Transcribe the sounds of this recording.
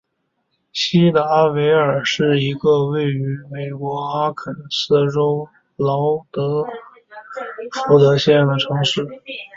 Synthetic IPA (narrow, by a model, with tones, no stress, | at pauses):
ɕi˥d̪ə˧a˥we˧˥ɪə˞˨˩ʂɻ̩˥˩i˧˥ɡə˧we˥˩ɪy˧˥me˨˩ɪkwɔ˧˥xa˥kʰə˨˩nsɹ̩˥˩ʈ͡ʂo˥ʊ | lɑ˧˥ʊt̪ɤ˧˥ | fu˧˥t̪ɤ˧˥ɕjɛ˥˧˩ɑ˥ŋd̪ə˩ʈ͡ʂʰɤ˧˥ŋʂɻ̩˥˩